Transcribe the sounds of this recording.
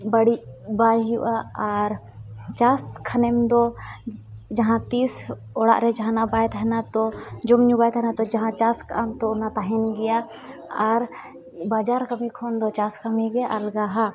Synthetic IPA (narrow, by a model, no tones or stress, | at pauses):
bəɽibaːjɦuʔaaɾ | t͡ʃaːskʰɐnemd̪o | d͡ʒɐɦãt̪iːs | oɽa̰ʔɾɛd͡ʒɦãnabaːjt̪ɛɦnat̪ɔd͡ʒʊmɲũbajt̪ɦnat̪ɔd͡ʒɐɦãt͡ʃaːska̰mt̪onat̪aɦinɡɪja | aɾ | baːd͡ʒaːɾkəmĩkʰond̪ɔt͡ʃaːskəmiɡeʔɐlɡaɦa